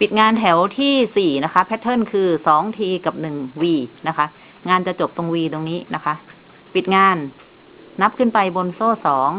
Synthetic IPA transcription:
pi˨˩t̪̚ŋaː˧nt̪ʰɛ˩˦wt̪ʰiː˥˩siː˨˩na˦˥kʰa˦˥pʰːɛ˦˥t̪ʰːɤ˥˩nkʰɯː˧sɔː˩˦ŋt̪ʰiː˧ka˨˩p̚nɯ˨˩ŋwiː˧na˦˥kʰa˦˥ʔ | ŋaː˧nt͡ɕa˨˩t͡ɕo˨˩p̚t̪o˧ŋwiː˧t̪o˧ŋniː˦˥na˦˥kʰa˦˥ʔ | pi˨˩t̪̚ŋaː˧nː | a˦˥p̚kʰɯ˥˩npa˧jbo˧nsoː˥˩sɔː˩˦ŋ

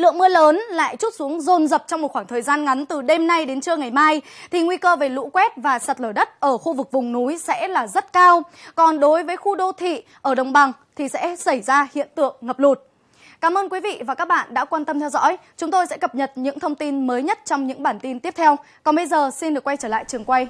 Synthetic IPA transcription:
lɨ̰˧˨əŋmɨ˧ələː˨˦nla̰ː˧˨jt͡ɕu˦˥t̚su˨˦əŋzo˨˩nzə˨˩p̚t͡ɕɔ˧wŋ͡mmo˨˩t̚xwaː˧˩ŋt̪ʰəː˨˩jzaː˧nŋa˨˦nt̪ɨ˨˩ɗe˧mna˧jɗe˨˦nt͡ɕɨ˧əŋa˨˩jmaː˧jt̪ʰi˨˩ŋwi˧kəː˧ve˨˩lṵ˧˥kwɛ˦˥t̚vaː˨˩sa˨˩t̚ləː˧˩ɗə˦˥t̚ʔəː˧˩xu˧vɨ˨˩k̚vʊ˨˩ŋ͡mnu˨˦jsɛ̰˧˥laː˨˩zə˦˥t̚kaː˧wkɔ˨˩nɗo˨˦jvəː˨˦jxu˧ɗo˧t̪ʰḭ˧˨ʔəː˧˩ɗə˨˩wŋ͡mɓa˨˩ŋt̪ʰi˨˩sɛ̰˧˥sa˧˩jzaː˧hḭ˧˨ənt̪ɨ̰˧˨əŋːə˨˩p̚lu˨˩t̚ | kaː˨˦mʔəː˧nkwi˨˦vḭ˧˨vaː˨˩kaː˦˥k̚ɓa̰ː˧˨nɗa̰ː˧˥kwaː˧nt̪ə˧mt̪ʰɛ˧wzɔ̰˧˥jt͡ɕʊ˨˦ŋ͡mt̪o˧jsɛ̰˧˥kə˨˩p̚ɲə˨˩t̚ɲɨ̰˧˥ŋt̪ʰə˧wŋ͡mt̪i˧nməː˨˦jɲə˦˥t̚t͡ɕɔ˧wŋ͡mɲɨ̰˧˥ŋɓaː˧˩nt̪i˧nt̪i˦˥əp̚t̪ʰɛ˧w | kɔ˨˩nɓə˧jzəː˨˩si˧nɗɨ˨˩əkːwa˧jt͡ɕəː˧˩la̰ː˧˨jt͡ɕɨ˨˩əŋkwa˧j

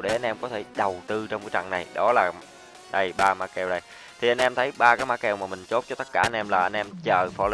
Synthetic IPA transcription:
ɗə˨˦jʔa˧nʔɛ˧mkɔ˨˦t̪ʰe˧˩ɗə˨˩wt̪ɨ˧t͡ɕɔ˧wvi˨˦t͡ɕa̰˧˨ŋna˨˩jɗɔ˨˦laː˨˩ | ɗə˧jɓaː˧ma˧˥kɛ˧˩wɗə˧j | t̪ʰi˨˩ʔa˧n̟ʔɛ˧mt̪ʰə˨˦jɓaː˧kaː˨˦j̚maː˧˥kɛ˧˩wmaː˨˩mï˨˩ŋ̟t͡ɕo˦˥t̚t͡ɕɔ˧t̪ə˦˥t̚kːaː˧˩ʔa˧nʔɛ˧mlaː˨˩ʔa˧nʔɛ˧mt͡ɕəː˨˩fɔ˧˦l

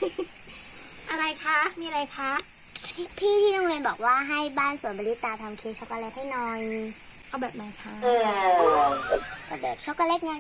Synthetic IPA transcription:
ʔa˧ɾa˧jkʰa˦˥miː˧ʔa˧a˧jkʰa˦˥ | pʰiː˥˩t̪ʰiː˥˩ɾo˧ŋweː˧nbɔː˨˩k̚waː˥˩ɦa˥˩jbaː˥˩nsu˨˩˦nbɔ˧li˦˥t̪ːaː˧t̪ʰa˧mkʰeː˦˥t͡ɕʰo˧˦˥kaː˧le˦˥˩k̚ha˥˩jnɔ˨˧˩j | ʔa˧˩wbɛː˨˩p̚ma˧˥˩kʰa˦˥ʔɤː˧a˧˩bɛː˨˩t͡ɕʰo˦˥kaː˧le˦˥k̚ŋa˦˥

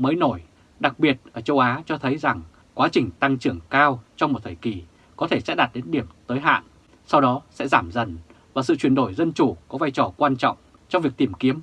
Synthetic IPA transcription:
məː˨˦jno˧˩j | ɗa˨˩k̚ɓi˨˩ət̚ʔəː˧˩t͡ɕə˧wʔaː˨˦t͡ɕɔ˧t̪ʰə˨˦jza˨˩ŋ | kwaː˨˦t͡ɕï˨˩ŋ̟t̪a˧ŋt͡ɕɨ˧˩əŋkaː˧wt͡ɕɔ˧wŋ͡mmo˨˩t̚t̪ʰəː˧˩jki˨˩ | kɔ˨˦t̪ʰe˧˩sɛ̰˧˥ɗa˨˩t̚ɗe˨˦nɗi˧˩əmt̪əː˨˦jɦa̰ː˧˨n | sa˧wɗɔ˨˦sɛ̰˧˥zaː˧˩mzə˨˩n | vaː˨˩sɨ̰˧˨t͡ɕwi˨˩ənɗo˧˩jzə˧nt͡ɕu˧˩kɔ˨˦vaː˧jt͡ɕɔ˨˩kwaː˧nt͡ɕɔ̰˧˨wŋ͡m | t͡ɕɔ˧ŋ͡mvi˨˩ək̚t̪i˧˩mki˨˦əm

